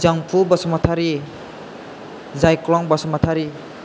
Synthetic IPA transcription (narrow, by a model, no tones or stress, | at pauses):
d͡ʒaŋpʰubasɔmat̪ʰaɾi | zajklɔŋbasɔmat̪ʰaɾi